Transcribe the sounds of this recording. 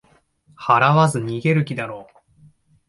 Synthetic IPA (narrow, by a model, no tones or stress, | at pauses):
haɾaβazɨɲ̟iɡe̞ɾɯ̟kʲid̪aɾo̞ː